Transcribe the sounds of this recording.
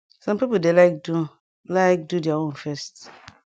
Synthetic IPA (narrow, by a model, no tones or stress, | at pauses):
sɔ̃mpipol̩delaɪk̚du | laɪk̚dudɛaõnfɛst